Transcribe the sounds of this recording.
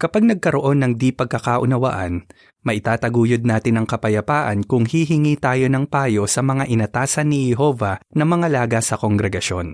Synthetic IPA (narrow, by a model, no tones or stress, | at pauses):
kɐpaɡ̚nɐɡ̚kɐɾoʔo̞nːɐŋd̪ipɐɡ̚kɐkaːʔʊ̰nɐwa̰ːʔɐ̰n | mɐʔɪt̪aːt̪ɐɡuːjod̪̚naːt̪ɪnɐŋkɐpɐjɐpaːʔɐ̰nkʊŋhiɦɪŋiːt̪aːjo̞nɐŋpaːjo̞sɐmɐŋaʔɪnɐt̪aːsɐnːihɛɦo̞ːvɐnɐŋmɐŋɐlaːɡɐsɐko̞ŋɡɾɛɡɐʃo̞̰n